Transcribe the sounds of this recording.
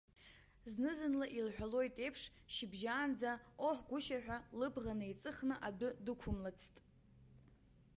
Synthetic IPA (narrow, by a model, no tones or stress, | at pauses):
znɨzɨnlaʔilħʷᶣalo̞jtʼe̞jpʰʂ | ʃɪbʒaːnd͡zaoħʷɡʷʊʃaħᶣʷalɨbʁanɨit͡sʼɨχnɨʔadʷʊdɨkʷʰʊmlat͡sʰtʼ